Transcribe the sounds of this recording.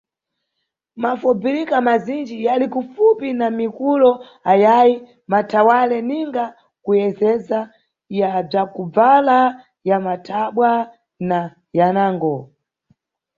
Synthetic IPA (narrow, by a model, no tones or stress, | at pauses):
mafub͡viɾikamazind͡ʒijalikufupinamikulɔ | ajaji | matʰawalɛniŋɡa | kujɛzɛza | jab͡ʐakub͡vala | jamatʰaɓwa | na | janaːŋɡɔ